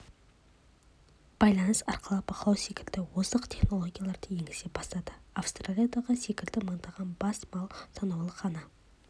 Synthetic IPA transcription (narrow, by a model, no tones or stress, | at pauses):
b̥ɑjlˠɑnəsɑ̰ɾqəlˠɑpʰɑqlˠɑwse̞kʲɪld̪ɪwozəqt̪ʰe̞χno̞lˠo̞ɡʲijalˠɑɾd̪əje̞ŋɪzebɑst̪ɑd̪əafst̪ralʲijad̪ɑʁəse̞kʲɪld̪ɪməɴd̪ɑʁɑnbɑsmɑlˠsɑnɑwlˠəqʰɑnɑ